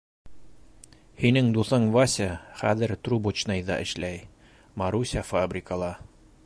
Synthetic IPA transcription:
hinɘŋd̪uθɤɴvasʲaχæ̰ðɘ̆ɾt̪rubot͡ɕnɤjðɑ̰ʔɘ̆ʃlæj | mɑɾusʲafabrʲɪkəlˠɑ

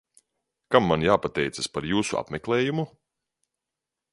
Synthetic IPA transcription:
kamːanjaːpat̪ɛjt̪saspaɾjuːsua̰pmʲɛklˠɛːjumu

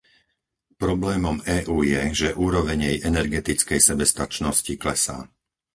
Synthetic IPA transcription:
pɾɔblɛːmɔmɛːʔuːjɛʒɛʔuːɾɔʋɛɲɛjʔɛnɛɾɡɛt̪it͡skɛjsɛbɛst̪at͡ʃnɔsciklɛsa̰ː

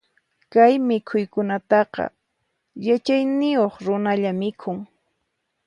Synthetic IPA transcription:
kajmɪkʰʊjkʊnat̪ɑqɑ̰ | jat͡ʃajnɪjoχɾʊnaʎamɪkʰʊŋ

